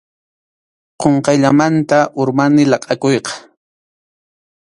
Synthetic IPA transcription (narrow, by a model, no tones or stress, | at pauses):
qoɴqɑjʎamant̪aʔʊɾmanɪlɑqʼɑkojqɑ̥